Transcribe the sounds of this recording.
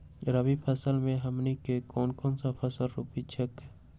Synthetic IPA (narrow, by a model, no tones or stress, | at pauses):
ɾəbipʰəsəlmẽɦəmnikekɔːnkɔːnsapʰəsəlɾupit͡ʃʰəkɦ